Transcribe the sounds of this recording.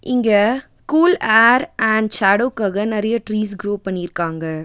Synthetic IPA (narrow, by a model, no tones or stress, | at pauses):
ʔɪŋɡɐ | kuːlaːɾaːɳɖt͡ʃaːɽoːkːaːɣɐnɪɾɐjɐʈɾiːs̬ɡɾoːpɐɳːɪɪɾɯkːaːŋɡɐ